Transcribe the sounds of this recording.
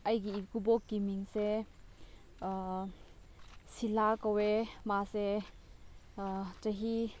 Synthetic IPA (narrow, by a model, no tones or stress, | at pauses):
ʔɐjɡiikubɔkːimiŋsɛ | silakəwɛmasɛ | t͡saɦi